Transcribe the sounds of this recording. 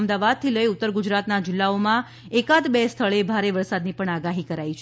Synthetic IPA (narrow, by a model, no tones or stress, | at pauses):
md̪aʋad̪̚t̪ʰiləiut̪ːəɾɡud͡ʒɾat̪nad͡ʒɪlːaomã | ekat̪best̪ʰəɭebʱaɾeʋəɾsad̪nipəɳaɡaɦikəɾait͡ʃʰ